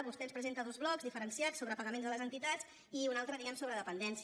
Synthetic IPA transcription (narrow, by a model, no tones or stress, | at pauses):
βust̪ɛnspɾəzent̪əðunzβlɔkzðifəɾənsiat͡sːoβɾəpəɣəmenzðələzənt̪it̪at͡s | iunalˠt̪ɾəðiɣɛmsoβɾəðəpənd̪ɛns